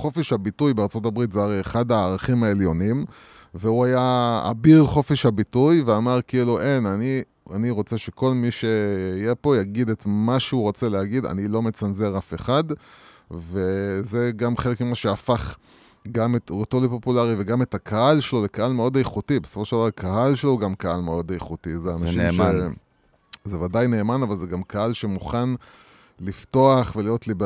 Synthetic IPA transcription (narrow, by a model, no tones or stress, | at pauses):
χo̞feʃhabitujbeaʁt͡so̞t̬abʁit̪zeaʁejeχad̪aːʁaχimaeljo̞nim | veuajaa̰biʁχo̞feʃhabitujveamaʁkiiluʔe̞nani | aniʁo̞t͡se̞ʃe̞ko̞lmiʃe̞ijepo̞jaɡid̪et̪maʃeuʁo̞t͡selehaɡida̰nilo̞me̞t͡sanze̞ʁafe̞χad̪ | ve̞ze̞ɡamχelekmimaʃeafaχ | ɡametotolipo̞pulaʁiveɡametakʰahalʃelolekahalmeo̞dajχutibesofo̞ʃeldavaʁakʰahalʃelouɡamkaalmeo̞dajχutizeanaʃimʃe | zevadajne̞ːmanavalzeɡamkahalʃe̞muχan | lifto̞aχvelijo̞tlib